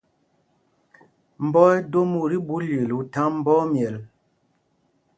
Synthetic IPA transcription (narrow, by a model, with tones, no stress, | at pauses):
m̩˨bɔ˦ɛ˦do˦mu˨ɾi˦bu˦le˨lu˨ta˦m̩˦bɔ˦mjɛ˨l